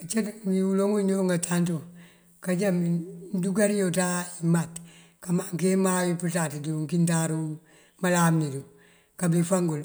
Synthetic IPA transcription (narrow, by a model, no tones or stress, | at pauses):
t͡ʃetmiwuloŋuɲoŋɡatʰanto | kaɟaminduɡaɾijotaimat | kamaŋkemawiputatiduŋkintaɾu | malaːmnidu | kabifaŋɡul